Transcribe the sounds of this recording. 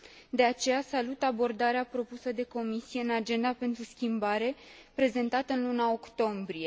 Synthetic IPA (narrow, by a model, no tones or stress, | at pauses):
d̪e̞at͡ʃe̞jasalut̪abo̞rd̪aɾeapɾo̞pusəd̪e̞ko̞misije̞ɨnad͡ʒe̞nd̪ape̞nt̪ɾuskʲimbaɾe̞pɾe̞ze̞nt̪at̪əɨnlunao̞kt̪o̞mbɾije̞